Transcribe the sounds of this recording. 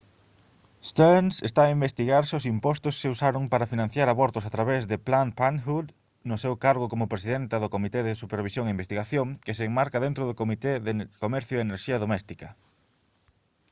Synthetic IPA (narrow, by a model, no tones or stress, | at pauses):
st̪onsest̪aːimbest̪iɣaɾsʊsimpɔst̪ʊskeusaɾoŋpaɾɐfinãn̟θjaɾaβɔɾt̪ʊsat̪ɾaβezðɪplanpanxud̪ | nʊsewkaɾɣʊkomʊpɾesiðent̪ɐðʊkomit̪eðɪsupeɾβ̞isjoŋeimbest̪iɣaθjoŋkɪseːŋmaɾkaðent̪ɾʊðʊkomit̪eðekomɛɾθjʊeeneɾʃiaðomɛst̪ikɐ